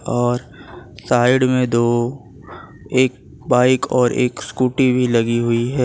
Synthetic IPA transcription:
ɔːɾ | saːɪɽmẽd̪oː | eːk̚ | baːɪkɔːɾʔḛːkskuːʈibʱilɐɡiɦʊiɦɛː

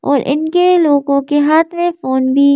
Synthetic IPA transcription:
ɔ̰ːɾʔɪ̰nkeloːɡõkeɦaːt̪ʰmẽfoːnbʱi

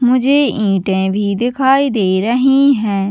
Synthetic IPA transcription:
mʊd͡ʒʱeːĩːʈẽːbʱiːd̪ɪkʰaːiːd̪eːɾəɦĩːɦɛ̃ː

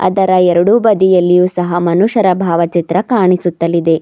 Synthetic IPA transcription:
ɐ̰d̪ɐɾɐɛɾɐɽubɐd̪ijɐlːijuːsɐɦɐmɐnuʂɐɾɐbʱaːʋɐt͡ʃit̪ɾɐkaːɳisut̪ːɐlːid̪e̞

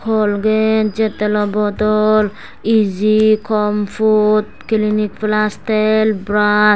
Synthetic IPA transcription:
kʰɔlɡed͡ʒet̪ːelɔbɔt̪ɔl | id͡ʒikɔmfut̪̚kilinik̚plast̪elbɾa

